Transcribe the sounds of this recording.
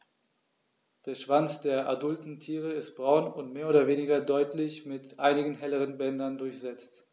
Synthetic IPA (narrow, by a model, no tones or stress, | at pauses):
d̥eːɐʃv̥ant͡sd̥eːɐʔadʊltn̩tʰiːʁ̞əɪst̚b̥ʁaʊnʊntmeːɐoːdɐveːnɪɡɐdɔʏtlɪçmɪtʔaɪnɪɡn̩ɦɛləʁənbɛndɐndʊɐçz̥ɛt͡st